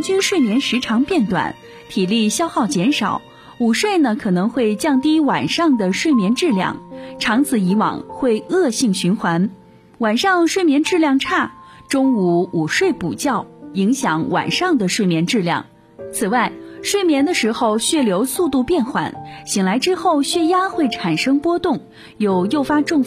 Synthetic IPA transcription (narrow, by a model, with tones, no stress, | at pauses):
nt͡ɕy˥nʂwe˥˩ɪmjɛ˧˥nʂɻ̩˧˥ʈ͡ʂʰɑ˧˥ŋpjɛ˥˩nt̪wa̰˨˩˦n | t̪ʰi˨˩li˥˧ɕjɑ˥ʊxɑ˥˩ʊt͡ɕjɛ˧˥nʂɑ˨˩˦ʊ | u˨˩ʂwe˥˩ɪnə˩kʰɤ˨˩nɤ˧˥ŋxwe˥˧ɪt͡ɕjɑ˥˩ŋt̪i˥wa˨˩nʂɑ˥˩ŋd̪ə˩ʂwe˥˩ɪmjɛ˧˥nʈ͡ʂɻ̩˥˧ljɑ̰˥˧˩ŋʈ͡ʂʰɑ˧˥ŋt͡sʰɹ̩˧˩i˧˥wɑ̰˨˩ŋxwe˥˩˧ɪɤ˥˧ɕi˥˩ŋɕy˧˥nxwa˧˥n | wa˨˩nʂɑ˥˧ŋʂwe˥˩ɪmjɛ˧˥nʈ͡ʂɻ̩˥˧ljɑ˥˧ŋʈ͡ʂʰa˥˩ʈ͡ʂʊ˥ŋu˧˥u˨˩ʂwe˥˩ɪpṵ˨˩t͡ɕjɑ˥˩ʊi˧˥ŋɕjɑ˧˥ŋwa̰˨˩nʂɑ˥˩ŋd̪ə˩ʂwe˥˩mjɛ˧˥nʈ͡ʂɻ̩˥˧ljɑ̰˥˩ŋ | t͡sʰɹ̩˨˩wa˥˩ɪʂwe˥˩ɪmjɛ˧˥nd̪ə˧ʂɻ̩˧˥xo˧ʊɕɥɛ˥˩ljo˧˥ʊsu˥˧t̪u˥˧pjɛ˥˩nxwa̰˨˩˦nɕi˨˩ŋla˧˥ɪʈ͡ʂɻ̩˥xo˥˧ʊɕɥɛ˥˧ja˥xwe˥˩ɪʈ͡ʂʰa˨˩nʂɤ˥ŋpwɔ˥t̪ʊ˥˩ŋ | jo˨˩ʊjo˥˩ʊfa˥ʈ͡ʂʊ˥˩ŋf